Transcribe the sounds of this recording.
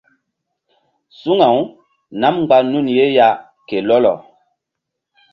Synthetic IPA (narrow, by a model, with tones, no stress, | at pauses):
su˦ŋa˨w | na˦m˦ɡ͡ba˦nu˦˨nje˦ja˦ | ke˨lɔ˦lɔ̰˨